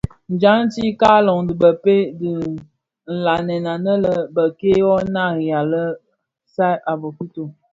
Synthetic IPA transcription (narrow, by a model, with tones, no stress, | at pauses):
n̩˨d͡ʒa˨˦ŋ̩˦ti˦ka˦lɔ˨ŋdɨ˨bə˨pe˦di˨ | n̩˨la˨nɛ˨na˨nə˦lə˦bə˨ke˦wɔ˦na˦˨ja˨lə˦ | sa˦ʔa˨bə˨ku˦to˨